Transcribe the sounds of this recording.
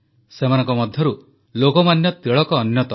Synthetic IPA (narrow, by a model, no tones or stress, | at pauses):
semanɔ̃ŋkɔmɔd̪ʱjɔɾu | lokɔmanjɔt̪eɭɔkɔːnjɔt̪ɔ